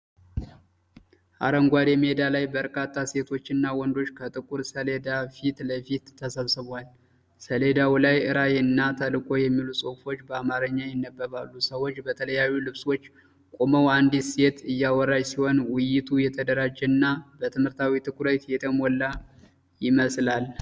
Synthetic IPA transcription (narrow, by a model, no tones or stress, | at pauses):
ʔaɾəŋɡʷad̪ɛmed̪alajbəɾkʼat̪ʼːase̞t̪ʰo̞t͡ʃːɨnːawɔnd̪o̞t͡ʃːkʰət̪ʼɨkʼuɾsəled̪afit̪ləfit̪ʰːəsəβsɨβal | səle̞d̪awulajɨɾajenːat̪ʰəlɨkʼo̞jɛmːilusʼofo̞t͡ʃːbəamaɾəɲːajɪnːəbːəβalːusəwot͡ʃːbət̪ʰələjajːulɨβswo̞t͡ʃː | kʼoməwand̪ise̞t̪ɨjːawɔɾad͡ʒsiho̞nwɨjɪt̪ʰujɛt̪ʰəd̪əɾad͡ʒɛnːabət̪ʰɨmhɨɾt̪ʰawit̪ʰɨkʰʼuɾət̪jɛt̪ʰʼəmɔlːa | jɪməslal